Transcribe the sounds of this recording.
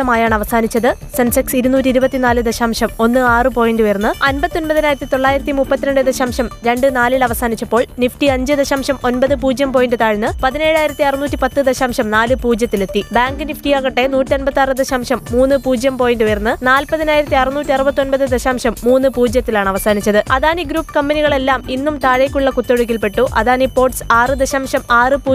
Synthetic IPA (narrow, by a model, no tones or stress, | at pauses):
t̪ːɐmaːjaːɳɐʋɐsaːnit͡ɕːɐðɨ | sɐnsɐksiɾunuːt̬ːiɾubɐt̪ːinaːlɨd̪ɐɕaːmʂɐmo̞nːɨaːrɨpo̞ːjinɖujɐrnːɨɐnbɐt̪ːio̞npɐðinaːjiɾɐt̪ːit̪o̞ɭːaːjiɾɐt̪ːimupːɐt̪ːineɳɖɨd̪ɐɕaːmʂɐmɾe̞ɳɖɨnaːlilɐʋɐsaːnit͡ɕːɐpːo̞ːɭnifʈiɐɲd͡ʑɨd̪ɐɕaːmʂɐmo̞npɐðɨpuːd͡ʑjɐmpo̞ːjindɖɨt̪aːɻɨnːɨpɐðine̞ːɻaːjiɾɐt̪ːiɐrɨnuːtːipɐt̪ːɨd̪ɐɕaːmʂɐmnaːlɨpuːd͡ʑjɐt̪ːile̞t̪ːibaːŋɡɨnifʈijaːɣɐʈːe̞nuːtːionbɐt̪ːaːrɨd̪ɐɕaːmʂɐmːuːnːɨpuːd͡ʑjɐmpo̞ːjindujɐrnːɨnaːlpɐðinaːjiɾɐt̪ːiɐrɨnuːtʲːiɐrɨbɐt̪ːio̞npɐðɨd̪eɕaːmʂɐmːuːnːɨpuːd͡ʑjɐt̪ːilaːɳɐʋɐsaːnit͡ɕːɐðɨɐðaːniɡɾuːpːɨ̥kɐmbɐniɣɐɭe̞lːaːminːumt̪aːɻejkʲːuɭːɐkut̪ːo̞ɽuk̬ʲːilpe̞ʈːuʔɐ̰ðaːnipo̞ːrʈsaːrɨd̪eɕaːmʂɐmaːrɨpuː